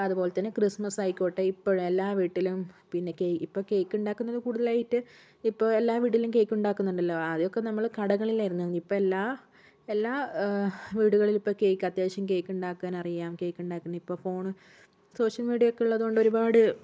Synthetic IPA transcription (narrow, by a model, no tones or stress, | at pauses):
ɐðubo̞ːlet̪ːɐnːɨkrismɐsɐjkʲːoːʈːeipːoɻume̞lːaːʋiːʈːilumpinːe̞keipːoːke̞ːjkʲːuɳɖaːkːunːɐðɨkuːɽuðɐlaːjiʈːɨ | ipːo̞ːɭelːaːʋiːʈ̬ːilumke̞ːjkʲːuɳɖaːkːunːuɳɖɐlːoɐðijokːenɐmːɐɭkɐɽɐɣɐɭilaːjiɾunːuʋɐnːipːoːelːaː | elːaː | ʋiːɽuɣɐɭilipːo̞ːkejkʲːɐd̪eːɕɐmke̞ːjkʲːuɳɖaːkːaːnɐrijaːmke̞ːjkʲːuɳɖaːkːunːɐipːo̞ːfo̞ːɳɨ | so̞ːʂjɐlmiːɽijɐokːeuɭːɐðɨo̞ɳɖoɾubaːɽɨ